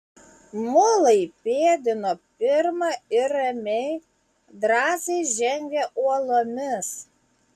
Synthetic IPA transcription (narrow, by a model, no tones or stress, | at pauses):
molˠəjpʲeːd̪ʲɪnopʲɪrmɑɪɾɛmʲej | d̪ɾɑːzejʒʲɛŋʲɡʲɛʔuɔlˠomʲɪs